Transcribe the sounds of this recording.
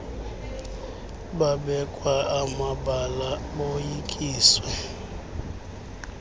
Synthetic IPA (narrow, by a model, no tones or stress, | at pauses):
ɓaɓɛkʼwaamaɓalaɓojikʼiːswɛ